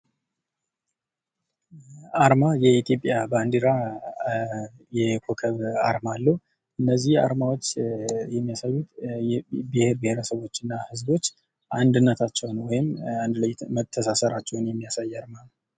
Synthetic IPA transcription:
aɾmajɛit̪ʰjo̞pʼjaband̪iɾa | jɛkʰokʰəβa̰ɾmalːəw | ʔɨnːəzːiha̰ɾmawo̞t͡ʃːjɛmːijasajːut̪ | bɨheɾbɨheɾəsəβo̞t͡ʃːɨnːahɨzbo̞t͡ʃː | ʔand̪ɨnːət̪ʰat͡ʃːɛwnwɔjɪmand̪ləjmət̪ʰːəsasəɾat͡ʃːɛwnjɛmːijasajːaɾmanə

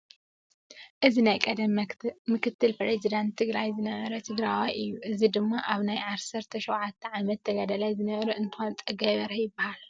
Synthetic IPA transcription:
ʔɨzinajkʼɐd̪ɐmmɨkʰɨt̪ʰːɨlpɾezid̪ant̪ʰːɨɡɾajzɨnɐβɐɾɐt̪ʰɨɡɾajwajɨjːuʔɨzid̪ɨmːaʔaβnajʕaβsɐɾt̪ʰɐʃowʕat̪ʰːɐʕamɐt̪ʰːɐɡad̪ɐlajzɨnɐβɐɾɐɨnt̪ʰɨxont̪ʼɐɡaβɐɾɐjɪbːahal

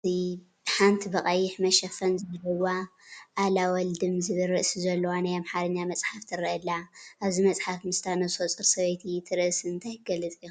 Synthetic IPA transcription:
ibħant̪ʰibɐqʼɐjɪħmɐʃɐfɐnzɨlɨwaʔːlawɔld̪ɨmzɨβɨɾɨʔsizɐlːowanajamħaɾɨɲːamɐt͡sʼħaft̪ʰɨɾɨʔɐlːaʔaβzimɐt͡sʼħafmɨst̪ʰanozot͡sʼɨɾsɐβɐjt̪ʰit̪ʰɨɾɨʔsɨnt̪ʰajɡɐlɨt͡sʼiju

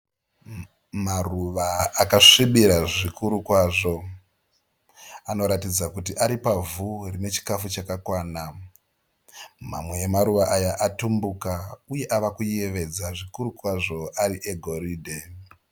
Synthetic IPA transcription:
maruʋaːkaʂiɓiɾaʐikuɾukwaːʐo̞ | ano̞ɾatid͡zakutiʔaɾipavurine̞t͡ʃi̥kafut͡ʃakakwaːna | ma̰mwe̞ːmaɾuʋaʔajaʔatumbukauje̞ʔaʋakuie̞ʋe̞d͡zaʐikuɾukwaʐo̞ʔaɾiʔe̞ɡʱo̞ɾiːdʱe

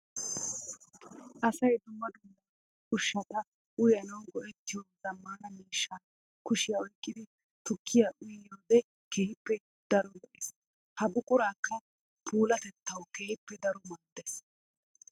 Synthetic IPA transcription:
ʔɐsɐjd̪ʊmːɐd̪ʊmːɐ | ʔʊʃːɐt̪ɐ | ʔʊjɐnɐwɡɔʔɛt̪ːɪjɔzɐmːanɐmiːʃːan | kʊʃɪjaɔjkʼːɪd̪ɪ | t̪ʊkʰːɪjaʔʊjjoːd̪ɛ | keːhɪpːɛ | d̪̥ɐɾɔlɔʔɪs | hɐbʊkʼʊɾaːkːɐ | pʰuːlɐt̪ɛt̪ːɐwkeːhɪpːɛd̪ɐɾɔmɐːd̪ːes

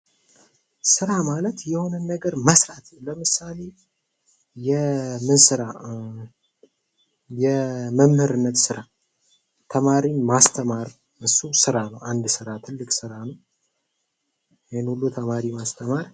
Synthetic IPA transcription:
sɨɾamalət̪jɛho̞nənːəɡəɾməsɾat̪ʰləmɨsale̞ | jɛmɨnsɨɾa | jɛməmhɨɾɨnːət̪sɨɾa | t̪ʰəmaɾimast̪ʰəmaɾ | ɨsusɨɾanəwand̪sɨɾat̪ʰɨlːɨksɨɾanəw | jhenhulːut̪ʰəmaɾimast̪ʰəmaɾ

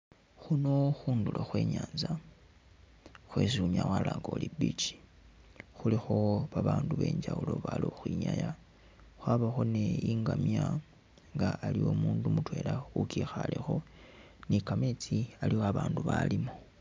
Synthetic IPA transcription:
xunoxuːnduloxwe̞ːɲaːnza | xwesuɲawalaːŋɡo̞libit͡ʃi̥ | xulixo̞βaβaːnduβe̞̰ːɲɟawulo̞βaloxwiɲaja | xwaβaxone̞jiŋɡamja | ŋɡaalio̞muːndumutwe̞ːlaukixalexo̞ | nikamet͡sialiaβaːnduβalimo

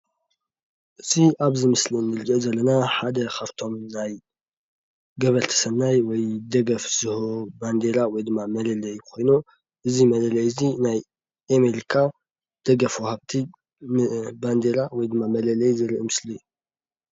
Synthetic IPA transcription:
ʔɨtʰiʔaβzɨmɨslinːɨɾɨɡɐzɐlːɐnaħad̪ɐkʰaft̪ʰo̞mnaj | ɡɐβɐɾt̪ʰɐ̥sɐnːajwɔjd̪ɐɡɐfz̥ɨhoband̪eɾawɔjd̪ɨmːamɐlɐlɐjkʰo̞jnu | ʔɨzimɐlɐlɐjɨzinaj | ʔameɾikʰa | d̪̥ɐɡɐfwɔhaβt̪ʰi | band̪eɾawɔjd̪ɨmːamɐlɐlɐjzɨɾɨʔimɨsliju

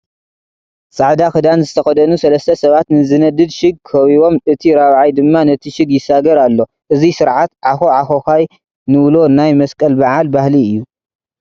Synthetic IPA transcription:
sʼaʕd̪axɨd̪anzɨt̪ʰɐxɐd̪ɐnusɐlɐst̪ʰɐsɐβat̪nɨzɨnɐd̪ɨd̪ʃɨɡ̚ʰɐβiβo̞mʔɨt̪ʰiɾaβʕajd̪ɨmːanɐt̪ʰiʃɪɡjɪsaɡɐɾalːo̞ | ʔɨzisɨɾʕat̪ʕaxoʕaxoxaj | nɨβlo̞najmɐskʼɐlbaʕalbahliɨjːu

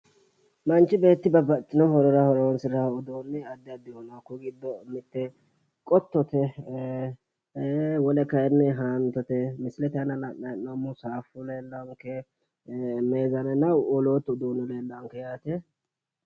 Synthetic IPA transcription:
mɐnt͡ʃːɪbe̞ːt̪ːɪbɐbɐt̪ːɪnɔhɔɾɔɾɐhɔɾɔwɔnsɪɾaʊd̪oːnːɛɐd̪ːɪɐd̪ːɪhɔnakːɔɡɪd̪ːɔmɪt̪ːɛ | kʼɔt̪ːɔt̪ɛ | wɔlɛkɐjɛnːɛɦaːnt̪ɔt̪ɛmɪsɪlɛt̪ɐnɐnɐʔnɐnːɐmʊsaːfʊleːlːɐŋkɛ | meːzɐnɛnɐwɔloːt̪ːʊd̪oːnːɛleːlːɐŋkɛjat̪ɛ

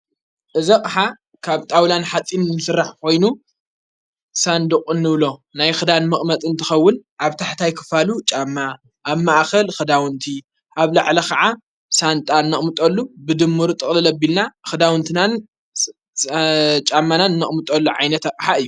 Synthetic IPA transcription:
ʔɨzɐqʼħa | kʰaβt̪ʼawlanħat͡s̪ʼinnːɨsɨrːaħkʰo̞jnu | sand̪ɨkʼɨnːɨβlo̞najxɨd̪anmɨχʼmɐt̪ʼɨnt̪ʰɨxɐwːʊnʔaβt̪ʰaħt̪ʰajkʰɨ̥falut͡ʃʼamːa | ʔːβmaʔxɐlxɨd̪awɨnt̪ʰi | ʔaβlaʕlɐkɐʕa | sant̪ʼaɨnːɐχʼmɨt̪ʼɐlːubɨd̪ɨmːuɾt̪ʼɨχʼlɨlɐbːilnaxɨd̪awɨnt̪ʰɨnan | t͡ʃʼamːanaɨnːɐχʼmɨt̪ʼɐlːuʕa̰jnɐt̪aqʼħaɨjːu

